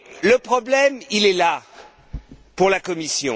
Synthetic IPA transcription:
ləpχɔblɛmilɛla | puʁlakɔmisjɔ̃

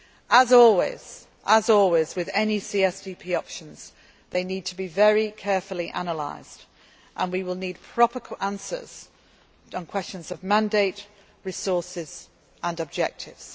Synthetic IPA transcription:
əzɔlˠwɪ̰z̥ | ʔəzɔlˠwɪzwɪðɛnisiːɛsdipʰiɒpʃə̃nz̥ | ðeɪniːd̚tʰəbivɛɹikʰɛɹfəlˠiʔanəla̰ɪz̥d | ʔə̃nwiwɪlˠniːd̚pʰɹ̥ɒpəkʰʔãnsə̰z̥ | n̩kʰw̥ɛst͡ʃə̃nzəvmãndeɪʔ | ɹɪsɔˑsɪz̥ | ə̃nəb̚d͡ʒɛ̰k̚tʰɪvz̥

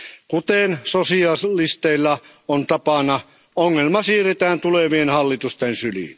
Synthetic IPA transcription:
kut̪eˑnsosiɑlist̪eilːɑ | ont̪ɑpɑnɑ | oŋːelmɑsiːret̪æːnt̪uleʋienhɑlːit̪ust̪ensylḭˑn

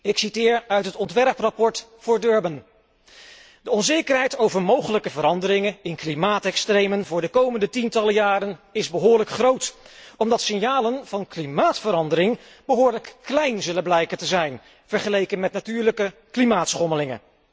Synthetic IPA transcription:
ɪksitɪːɹœɥtɦətɔntʋɛrprɑpɔɹtfʊːɹdøɹbən | dəɔnzejkərɦɛjtowvəɹmowχələkəvəɾɑndəɾɪŋənɪnklimaːtɛkstrejmənvʊːɹdəkowməndətintɑləjaːɾənɪzbəɦʊːɹləkχrowtɔmdɑtsɪnjaːlənv̥ɑnklimaːtfəɾɑndəɾɪŋ | bəɦʊːɹləkːlɛjnzɵləblɛjkəntəzɛjn | v̥əɹχəlejkənmɛtnatyːɹləkəklimaːtsχɔməlɪŋə̰n

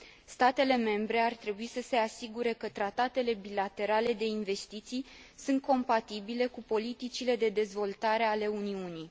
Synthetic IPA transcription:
st̪at̪e̞le̞me̞mbɾe̞art̪ɾe̞buisəse̞asiɡuɾe̞kət̪ɾat̪at̪e̞le̞bilat̪e̞ɾale̞d̪e̞inve̞st̪it̪sij | sunt̪̚ko̞mpat̪ibile̞kupo̞lit̪it͡ʃile̞d̪e̞d̪e̞zvo̞lt̪aɾe̞ale̞uniunij

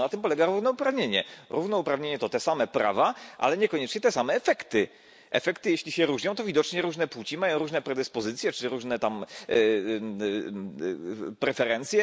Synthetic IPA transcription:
nat̪ɘmpɔlɛɡaɾuvnɔupɾavɲeɲɛɾuvnɔupɾavɲeɲɛt̪ɔt̪ɛsamɛpɾa̰vaʔa̰lɛɲɛkɔɲɛt͡ʂɲɛt̪ɛsamɛːfɛkt̪ɘ | ʔɛ̰fɛkt̪ɘjeɕlʲiɕɛɾuʐɲɔ̃w̃t̪ɔvʲid̪ɔt͡ʂɲɛɾuʐnɛpwut͡ɕimajɔ̃w̃ɾuʐnɛpɾɛd̪ɘspɔzɘt̪sjɛt͡ʂɘɾuʐnɛt̪am | pɾɛfɛɾɛnt̪sʲjɛ

